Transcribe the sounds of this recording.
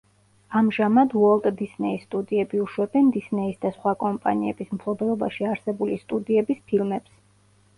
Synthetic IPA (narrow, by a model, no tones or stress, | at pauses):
amʒamad̪wɔlˠkʼd̪isnɛist̪ʼud̪iɛbiuʃwɛbɛnd̪isnɛisd̪asχwakʼɔmpʼa̰niɛbismpʰlˠɔbɛlˠɔbaʃiaɾsɛbulist̪ʼud̪iɛbispʰilˠmɛps